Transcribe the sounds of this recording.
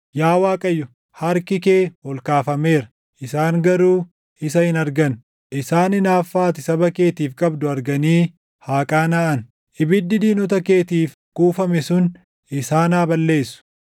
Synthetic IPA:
jaːwaːkʼɐjːʊ | hɐɾkɪkeːwɔlkaːfɐme̞ːɾɐ | ʔɪsaːŋɡɐɾuː | ɪsɐhɪnɐɾɡɐn | ʔɪsaːnɪnaːfːaːt̪ɪsɐbɐke̞ːt̪iːfkʼɐbd̪ʊɐɾɡɐniː | haːkʼaːnɐʔɐn | ʔɪbɪd̪ːɪd̪iːnʊt̪ɐke̞ːt̪iːf | kuːfɐmɛsʊn | ɪsaːnaːbɐlːe̞ːsːʊ̥

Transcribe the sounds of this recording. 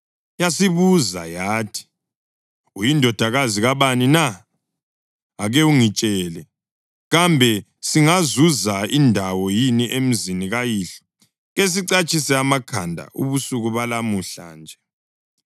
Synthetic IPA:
jasiβuza̰jaːtʰi̥ | ujindʱɔd̥ʱaɣaziɣaβanina | aɣeuŋit͡ʃʼɛlɛ | ɣambʱɛ | siŋazuzaindʱawɔjiniʔem̩ziniɣajiɬɔ̥ | ɣes̬iǀat͡ʃʼisɛamakʰandʱa̰ʔṵβusuɣuβalamuɬa̰nd͡ʒʱɛ

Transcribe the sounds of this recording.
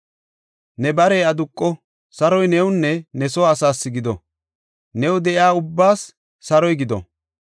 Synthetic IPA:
nɛbɐɾeːɐd̪ʊkʼːɔ | sɐɾɔjnɛwʊnːɛnɛsɔːsaːsːɪɡɪd̪ɔ̰ | nɛwʊd̪ɛʔɪaːʊbːaːsː | ɐɾɔjɡɪd̪ɔ̰

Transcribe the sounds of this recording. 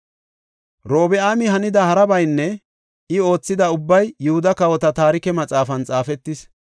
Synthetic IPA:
ɾo̞ːbɛaːmɪɦɐnɪd̪ɐhɐɾɐbɐjnːɛ | ɪo̞ːt͡sːɪd̪ɐʊbːɐjːʊhʊd̪ɐkɐwɔt̪ɐt̪aːɾɪkɛmɐt͡sʼaːfɐnt͡sʼaːfɛt̪ːɪs

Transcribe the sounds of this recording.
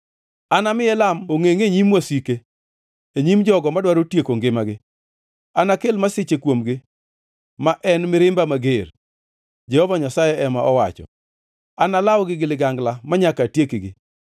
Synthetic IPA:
anamɪjɛlamoŋeŋeɲimwasike | eɲimd͡ʒɔɡɔmadwaɾotjekoŋɡɪmaɡɪ | anakelmasɪt͡ʃekwomɡɪ | maʔɛnmɪɾɪmbamaɡer | d͡ʒɛhɔvaɲasajɛɛmaʔɔwa̰t͡ʃɔ̰ | analawɡɪɡɪlɪɡaŋɡlamaɲakatjekeɡɪ

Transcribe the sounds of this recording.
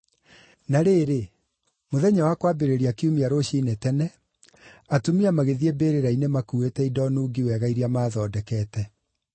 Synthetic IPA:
naɾeːɾe | moðɛɲawakwabeɾeɾiakiumiaɾoɕinetɛnɛ | atumiamaɣeðiebeɾeɾainemakuetɛidɔnuːɡiwɛɣaiɾiamaːðɔːdɛkɛtɛ

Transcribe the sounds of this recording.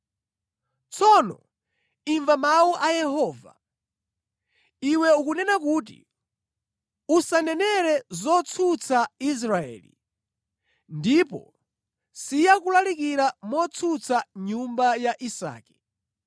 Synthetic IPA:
t͡sʰɔnɔ̰ | iɱvamawuʔajɛɦɔːva̰ | iwɛukunɛnak̬uːt̬ḭ | usanɛnɛɾɛzɔt͡sʰut͡sʰais̬ɾaɛ̰ːlḭ | ndipɔ̰ | sijakulalikiɾamɔt͡sʰut͡sʰaɲumbajaʔisa̰ːkɛ̥

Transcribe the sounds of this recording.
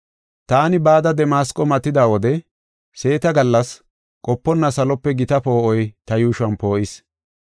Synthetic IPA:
t̪aːnɪbaːd̪ɐd̪ɛmaːskʼɔmɐt̪ːɪd̪aːwɔd̪ɛ | se̞ːt̪ɐɡɐlːɐs | kʼɔpːɔnːɐsɐlɔpːɛɡɪt̪ɐpo̞ːʔɔjt̪ɐjuːʃʊɐnpo̞ːʔɪs

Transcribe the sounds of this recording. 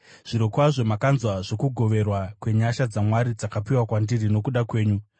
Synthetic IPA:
ʐ̥iɾokwaʐo̞makanzwaʐo̞kuɡʱo̞ʋe̞rwakwe̞ɲaʃad͡zamwaɾid͡zakapiwakwandirino̞kuɗakwe̞ːɲu

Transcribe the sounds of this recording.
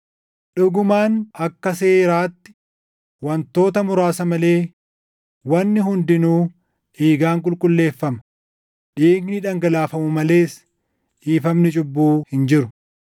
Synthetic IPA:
ᶑʊɡʊmaːnɐkːɐseːɾaːt̪ːɪ̥ | wɐnt̪o̞ːt̪ɐmʊɾaːsɐmɐle̞ː | wɐnːɪɦʊnd̪ɪnuː | ʔiːɡaːŋkʼʊlkʼʊlːe̞ːfːɐmɐ̥ | ᶑiːɡnɪᶑɐŋɡɐlaːfɐmʊmɐle̞ːs | ʔiːfɐmnɪt͡ʃʼʊbːuːhɪnd͡ʒɪɾʊ

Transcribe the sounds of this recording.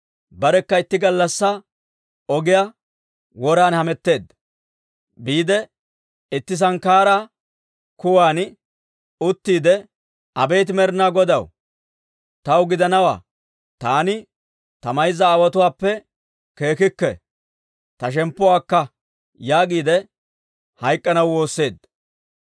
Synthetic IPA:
bɐɾɛkːɐɪt̪ːɪɡɐlːɐsːɐ | ɔɡɪja | wɔɾaːnhɐmɛt̪ːe̞ːd̪ | biːd̪ɛ | ɪt̪ːɪs̬ɐŋkaːɾa | kʊwaːn | ʊt̪ːiːd̪ɛ | ɐbe̞ːt̪̬ɪmɛɾnaːɡɔd̪ɐw | t̪ɐwɡɪd̪ɐnɐwa̰ː | t̪aːnɪ | t̪ɐmɐjzɐːwɐt̪ʊwaːpːɛ | ke̞ːkɪkːɛ̰ | t̪ɐʃ̬ɛmpːɔʊwaːkːɐ | jaːɡiːd̪ɛ | hɐjkʼːɐnɐwwo̞ːsːe̞ːd̪

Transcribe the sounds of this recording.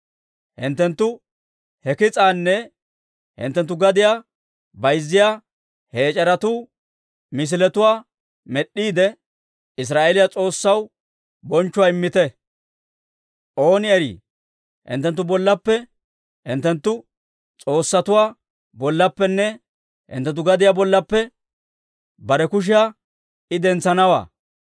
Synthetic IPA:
hɪ̰nt̪ːɛnt̪ːʊ | hɛkɪt͡sʼaːnːɛ | hɪ̰nt̪ːɛnt̪ːʊɡɐd̪ɪjaː | bɐjzːɪjaː | he̞ːt͡ʃʼɐɾɐt̪uː | mɪs̬ɪlɛt̪ʊwaː | mɛɗːiːd̪ɛ | ɪs̬ɾaːʔelɪjat͡sʼo̞ːsːɐw | bɔnt͡ʃːʊwaːɪmːɪt̪ɛ | ʔo̞ːnɪɛɾḭː | hɪ̰nt̪ːɛnt̪̬ːʊbɔlːɐpːɛ | hɪ̰nt̪ːɛnt̪ːʊ | t͡sʼo̞ːsːɐt̪ʊwaː | bɔlːɐpːɛnːɛ | hɪ̰nt̪ːɛnt̪ːʊɡɐd̪ɪjabɔlːɐpːɛ | bɐɾɛkʊʃ̬ɪjaː | ɪd̪ɛnt͡sːɐnɐwa̰ː

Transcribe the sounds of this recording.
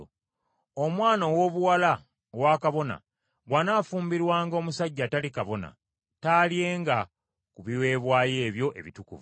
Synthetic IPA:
omwaːnowo̞βuwala | owakaβo̞na̰ | ɡwanaːfuːmbiɾwaːŋɡoːmusaɟːatalikaβo̞na̰ | taːlje̞ːŋɡa | kuβiwe̞ːβwaːje̞ːβjo̞ʔe̞̰βitukuvu

